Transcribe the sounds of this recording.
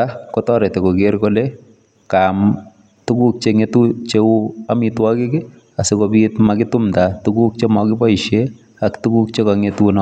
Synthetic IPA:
akɔtɔɾɛtɛkoɡeɾkole | kaːm | tukuk̚t͡ʃeŋetut͡ʃeuamitwakɪke | asekobitmakɪtʊmtatukuk̚t͡ʃemɔkɪpɔiʃe | aktukuk̚t͡ʃekaŋetunɔ

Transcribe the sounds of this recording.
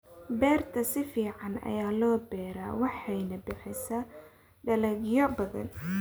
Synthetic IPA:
bɛːrt̪ʰɐsɪfiːʕɑnɐ̰jaːlɔːbɛːɾa̰ːwɑħɑjnɐbɪħɪsɐ | ɖɐlɛɡjɔbɐðɐ̰n

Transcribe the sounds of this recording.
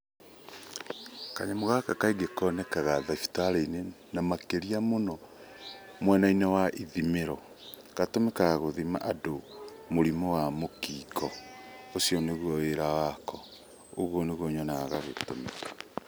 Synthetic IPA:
kaɲamoɣakakaiɡekɔnɛkaɣaðafi̥taɾeine | namakeɾiamonɔ | mwɛnainɛwaʔiðimeɾɔ | katomɛkaɣoðima̰ʔadomoɾimɔwamokiːkɔosjɔneɣwɔweɾawakɔ | oɣwɔneɣwoɲɔnaaɣaɣetomeka

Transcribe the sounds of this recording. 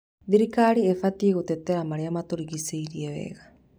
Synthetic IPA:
ðiɾikaɾiefatieɣotɛtɛɾamaɾeamatoɾiɣiseiɾiɛwɛ̰ːɣa

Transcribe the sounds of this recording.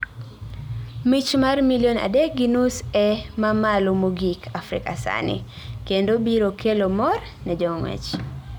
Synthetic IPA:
mit͡ʃmarmilijona̰dɛk̚ɡinusɛmamalomoɡikʰafɾɪ̰kasa̰nɪ̰ | kendobiɾokʰelomɔr | nɛd͡ʒɔŋwɛ̰t͡ʃ

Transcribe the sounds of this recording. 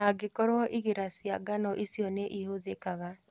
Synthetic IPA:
aɡekɔɾwɔʔiɣeɾasjaɡanɔʔisjɔneʔihoðekaɣa

